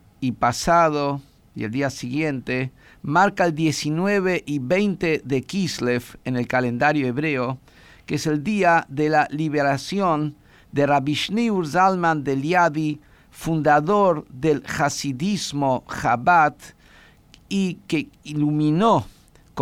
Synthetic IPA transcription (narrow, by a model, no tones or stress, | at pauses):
ipasaðo | jield̪iasiɣje̞nt̪e | maɾkaeld̪jesinweβeʔiβejnt̪eðekislefenelkalend̪aɾjoeβɾeo | keeseld̪iaðelaliβeɾasjon | d̪eraβiʃniuɾzalmãnd̪eljaði | fund̪aðoɾðelxasiðizmoxaβat̪ | ikeilumĩno | k